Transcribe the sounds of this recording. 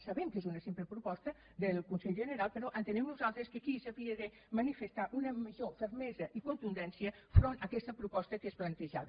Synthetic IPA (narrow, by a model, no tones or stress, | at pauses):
sɐβɛmkezunəsimpləpɾupɔst̪ə | d̪əlˠkunsɛʎʒənəɾalˠpəɾɔʔənt̪ənɛmnuzalˠt̪ɾəskəkisəβiəðə | mənifəst̪aʔunəməʒofəɾmɛzəʔikunt̪und̪ɛnsiəfɾonəkɛst̪əpɾupɔst̪əkesplənt̪əʒaβ